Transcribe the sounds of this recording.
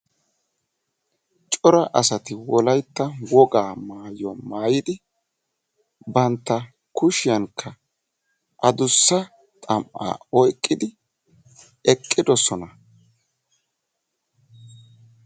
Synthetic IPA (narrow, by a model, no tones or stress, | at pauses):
t͡ʃʼɔɾɐʔɐsɐt̪ɪwɔlɐjt̪ːɐwɔɡaːmaːjɔmaːjɪd̪ɪ | bɐnt̪ːɐ | kʊʃɪjɐŋkʰːɐ | ʔɐd̪ʊsːɐ | t̪ʼɐmʔa̰ːɔjkʼːɪd̪ɪ | ɛkʼːɪd̪ɔsɔnɐ